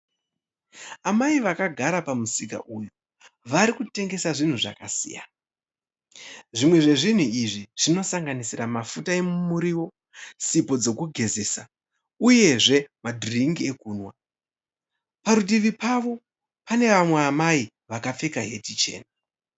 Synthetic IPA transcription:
amaiʋakaɡʱaɾapamusika̰ʔuju | ʋaɾikute̞ŋɡe̞saʐin̤uʐa̰kasḭja̰ | ʐimwe̞ʐe̞ʐin̤uiʐiʐ̥ino̞saŋɡanisiramafutae̞mumuɾiwo̞ | sipo̞d͡zo̞kuɡʱe̞zesa | uje̞ʐe̞madʱiriŋɡie̞kuːnwa | paɾutiʋipaʋo̞ | pane̞ʋamweamai | ʋakap͡fekaɦe̞tit͡ʃe̞̰ːna

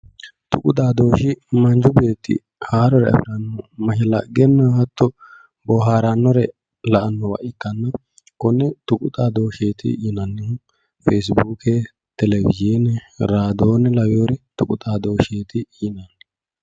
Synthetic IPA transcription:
t̪ʊkʼʊt̪ʼaːd̪o̞ːʃɪmɐnd͡ʒʊbe̞ːt̪ːɪ̰ | haːɾɔɾɛ̰ɐ̰fɪɾɐnːɔmɐʃɛlɐ̰ɡɛnːɐhɐt̪ʰːɔ | bɔɦaːɾanːɔɾɛ | lɐʔɐnːɔwɐ̰ʔɪkːɐnːɐ | kɔnːɛt̪ʊkʼʊt̪ʼaːd̪o̞ːʃeːt̪ɪ̰jɪnɐnːɪhʊ | feːs̬buːke | t̪ɛlɛwɪ̰zeːnɛɾaːd̪o̞ːnɛlɐwoːɾɛt̪ʊkʼʊt̪ʼaːd̪o̞ːʃeːt̪ɪjɪnɐn

